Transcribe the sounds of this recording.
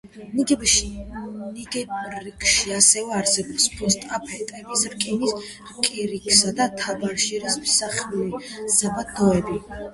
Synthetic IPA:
n | niɡɛːikʰʼʃiasɛvɛaɾsɛbɔpspʰɔst̪ʼapʰɛt̪ʼɛbisɾkʼinis | ɾkʼiɾikʰʼsad̪at̪ʰabaɾʃɛɾismisaχuliz̥abad̪ɔɛbi

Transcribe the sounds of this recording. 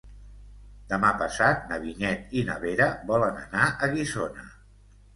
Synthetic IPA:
d̪əmapəsat̪̚nəβiɲɛt̪inə̰βeɾəbɔlənə̰naʔəɣizonə̰

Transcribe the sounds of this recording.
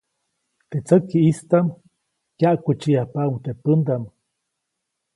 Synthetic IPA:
t̪et͡səkiist̪am | kjaʔkut͡ʃiahpauŋt̪epənd̪am

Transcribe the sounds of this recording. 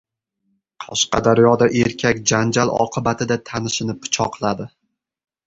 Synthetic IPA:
qʰɒʃqɑ̰d̪aɾjɒd̪aʔe̞ɾkʲʰakʲd͡ʒand͡ʒalɒ̰qʰɨbat̪ʰɪd̪at̪ʰanɪʃɪnɪpʰːʊ̥t͡ʃʰɒqlˠad̪ɪ

